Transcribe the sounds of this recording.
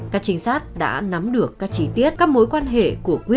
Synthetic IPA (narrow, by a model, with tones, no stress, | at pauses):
kaː˦˥k̚t͡ɕï˨˦ŋ̟saː˦˥t̚ɗa̰ː˧˥na˨˦mɗɨ˨˩əkːaː˦˥k̚t͡ɕi˨˦t̪i˦˥ət̚kaː˦˥k̚mo˨˦jkwaː˧nɦḛ˧˨ku˧˩əkwi˦˥ə